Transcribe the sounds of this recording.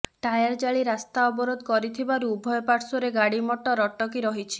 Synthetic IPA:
ʈajaɾd͡ʒaɭiɾast̪aɔbɔɾod̪ɔkɔɾit̪ʰibaɾuːbʱɔjɔpaʈsɔɾeɡaɽimɔʈɔɾɔʈɔk̬iɾɔɦit͡ʃʰi̥

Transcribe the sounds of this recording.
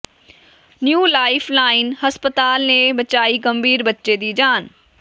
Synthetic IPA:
njuːlaːɪfʰlaːɪnɦɐspət̪aːlnẽbɐt͡ɕaːiɡɐ̃mbʱiːɾbɐtːʃed̪iːd͡ʑaːn

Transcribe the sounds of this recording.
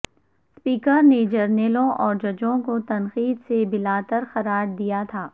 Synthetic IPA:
spiːkəɾned͡ʒɐɾnelõʔɔːɾd͡ʒɐd͡ʒõkot̪ɐnxiːd̪sebɪlaːt̪əɾxɐɾaːɾd̪ijat̪ʰaː

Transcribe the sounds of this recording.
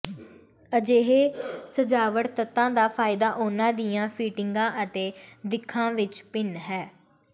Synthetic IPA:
əd͡ʒeːɦeːsəd͡ʒaːʋəɽt̪ət̪ːãːd̪aːpʰaːɪd̪aːʔoːnãːd̪ijãːpʰiːʈɪŋɡãːʔət̪eːd̪ɪkʰːãːʋɪt͡ʃpɪnɦɛː

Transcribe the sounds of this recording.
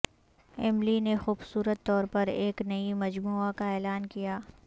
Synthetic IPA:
ɛmlinexuːbsuːɾət̪ːɔːɾpɐɾeːknɐimɐd͡ʒmuːakaɛːlaːnkijaː

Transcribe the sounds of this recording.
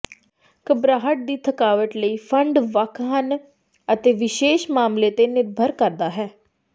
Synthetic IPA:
kəbɾaːɦəʈ̚d̪iːt̪ʰəkaːʋəʈləiːpʰəɳɖʋəkʰɦən | ət̪eːʋɪʃeːʃmaːmleːt̪eːnɪɾbʱəɾkəɾd̪aːɦɛː

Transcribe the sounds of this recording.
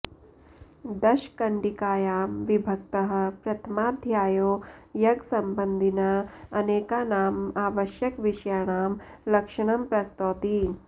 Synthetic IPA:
d̪ɐʃkɐɳɖikaːjaːmʋibʱɐk̚t̪ɐɦɐ̆pɾɐt̪ʰɐmaːd̪ʱjaːjoːjɐɡsɐmbɐnd̪ʱinɐɐneːkaːnaːmaːʋɐʃjɐkʋiʃjaːɳaːm | lɐkʂɐɽ̃ɐmpɾɐst̪oːt̪i

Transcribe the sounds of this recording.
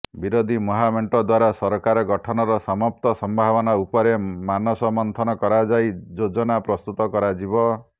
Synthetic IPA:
biɾod̪ʱimɔɦameɳʈɔd̪waɾasɔɾkaɾɔɡɔʈʰɔnɔɾɔsɔmɔp̚t̪ɔsɔmbʱabɔnaupɔɾemanɔsɔmɔnt̪ʰɔnɔkɔɾad͡ʒajd͡ʒod͡ʒɔnapɾɔst̪ut̪ɔkɔɾad͡ʒibɔ

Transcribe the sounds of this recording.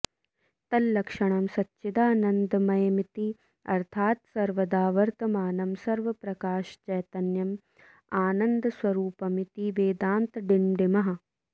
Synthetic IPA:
t̪ɐlːɐkʂɐɳ̃ɐmsɐtːʃid̪aːnɐnd̪ɐmɐjɐmit̪i | ɐ̰ɾt̪ʰaːt̪sɐɾʋɐd̪aːʋɐɾt̪ɐmaːnɐmsɐɾʋɐpɾɐkaːʃt͡ʃɐjt̪ɐnjɐm | aːnɐnd̪ɐswɐɾuːpɐmit̪iʋeːd̪aːnt̪ɖinɖimɐɦɐ̆

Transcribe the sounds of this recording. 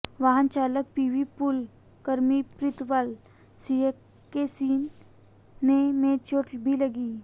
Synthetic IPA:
ʋaɦənt͡ʃaːlək̚piːʋipʊl | kəɾmipɾɪt̪ʋal | siekː | esiːnː | emẽt͡ʃoːʈbʱilɐɡiː

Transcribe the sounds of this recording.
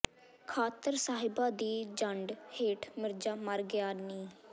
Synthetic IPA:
kʰaːt̪əɾsaːɦɪbaːd̪iːd͡ʒəɳɖheːʈʰmɪɾd͡ʒaːməɾɡɪjaːniː

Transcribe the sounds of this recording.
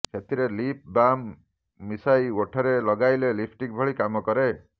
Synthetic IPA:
kʰet̪iɾelip̚ʰbamː | isajoʈʰɔɾelɔɡajlelipʰʈik̚bʱɔɭikamɔkɔɾe

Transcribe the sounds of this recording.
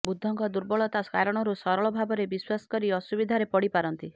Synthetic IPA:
bud̪ʱːɔŋkɔd̪uɾbɔɭɔt̪askaɾɔɽ̃ɔɾusɔɾɔɭɔbʱabɔɾebiswasɔ̥kɔɾiɔsubid̪ʱaɾepɔɽipaɾɔnt̪i

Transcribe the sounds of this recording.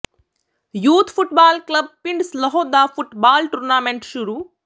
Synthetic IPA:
juːt̪ʰpʰuʈbaːlklɐb̚piɳɖslɐɦɔːd̪aːfʰuʈbaːlʈuɾnaːmeɳʈʃuɾuː

